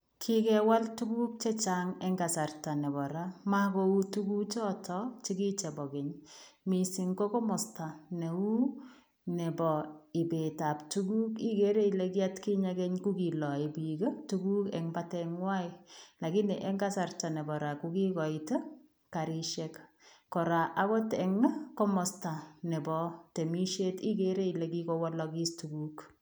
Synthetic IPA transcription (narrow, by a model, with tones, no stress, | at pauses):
kʰɪ˦kɛwa˦ltu˦ku˦k̚t͡ʃɛ˦t͡ʃaŋɛ˦ŋɡa˨sa˨rta˨nɛ˨bɔ˨ɾa˦ma˦ko˦u˦tu˦ku˦t͡ʃɔː˦tʰɔt͡ʃi˦ki˦t͡ʃɛ˨bɔ˨kɪ˨ɲmi˨sɪ˨ŋkɔ˦kɔ˦mɔ˨sta˨ne˨u˦ | nɛ˨bɔ˨ɪ˨be˨ta˨ptu˦ku˦ki˦ke˦ɾe˦ileki˦a˦tki˦ɲa˧kɛ˦ɲku˦ki˨lɔ˨i˨bi˨kə˦tuku˦kɛ̰˨ŋbatɛŋwa˦ila˨ɡi˦nɛ˨ʔɛ˦ŋɡa˦sa˨rta˨nɛ˨bɔ˨ɾa˨kuki˦kɔ˨itə˦ | ka˨ɾiʃɛk | kɔ˨ɾa˨ʔa˦kɔ˦tɛ˨ŋ˦kɔ˦mɔ˨sta˨nɛ˨bɔte˨mi˦ʃe˦ti˦keɾe˦i˨le˨ki˦kɔ˦wɔ˦lɔki˦stuku˦k